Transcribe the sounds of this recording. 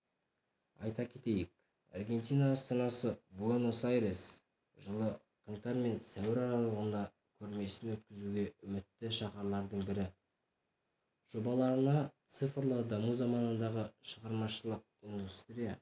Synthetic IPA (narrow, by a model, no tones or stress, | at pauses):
ɑjt̪ɑkʲʰe̞t̪e̞jɪk | ɑ̰rɡʲe̞nt̪ijnɑːst̪ɑnɑsəbuonosajɾes | ʒəlˠə | qʰəɴt̪ɑɾme̞nsæwɪɾɑɾɑlˠəʁənd̪ɑ | kʲʰɵɾme̞sɪnwɵt̪̚kʲɪzuɡʲe̞ʔʏmɪt̪ːɪʃɑqɑɾlˠɑɾd̪əɴbɪɾɪ | ʒ̥o̞bɑlˠɑɾənɑt̪sɨfɾlˠəd̪ɑmuzɑmɑnənd̪ɑʁəʃəʁɑɾmɑʃəlˠəq̚ʊnd̪ʊst̪ɪɾʲije